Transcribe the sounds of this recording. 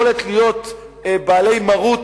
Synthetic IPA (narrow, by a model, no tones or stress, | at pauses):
olet̪lijo̞t̪ | baːle̞jmaʁut